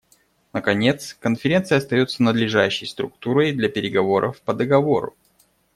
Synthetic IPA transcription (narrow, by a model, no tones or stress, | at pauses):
nəkɐnʲe̞t̪skənfʲɪɾʲe̞nt̪sɨjəɐst̪ɐjo̞t̪sənəd̪lʲɪʐaɕːɪjst̪ɾʊk̚t̪uɾəjd̪lʲɐpʲɪɾʲɪɡɐvo̞ɾʔə̰fpəd̪əɡɐvo̞ɾʊ̰